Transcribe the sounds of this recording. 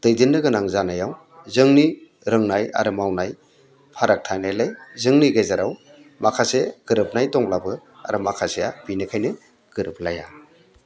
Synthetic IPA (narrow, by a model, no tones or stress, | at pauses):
d̥ɯjdinːɯɡɯnaŋzanajaw | zɯŋni | ɾɯŋnaja̰ɾɯmawnaj | pʰaɾak̚tʰanajlejzɯŋniɡezaɾaw | makʰaseɡ̥ɯɾɯp̚najdɔŋlabɯa̰ɾɯmakʰasejabinɯkʰajnɯ | ɡ̥ɯɾɯp̚ʰlaja